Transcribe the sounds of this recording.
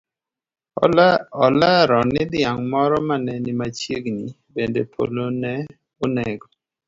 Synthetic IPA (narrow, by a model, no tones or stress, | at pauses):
ɔɔlaɾɔnɪd̪ɪaŋmɔɾɔmanɛnɪmat͡ʃeɡni | bendepʰo̰lonɛ | onɛɡɔ